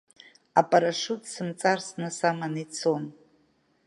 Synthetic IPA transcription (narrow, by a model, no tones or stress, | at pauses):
apʼaɾaʂutʼsɨmt͡sʼarsnɨsamanit͡sʰon